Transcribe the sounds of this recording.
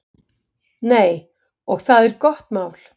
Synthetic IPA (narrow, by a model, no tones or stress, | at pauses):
neːj | ɔɣθaðɛɾkɔht̪maːwl̥